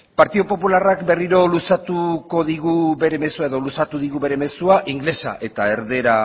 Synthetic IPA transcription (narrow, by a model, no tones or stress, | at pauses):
paɾt̪iðopo̞pularakbe̞riɾo̞lusat̪uko̞ðiɣuβe̞ɾe̞me̞suae̞ðo̞lusat̪uðiɣuβe̞ɾe̞me̞suaʔiŋɡle̞sa̰ʔe̞t̪ae̞ɾðe̞ɾa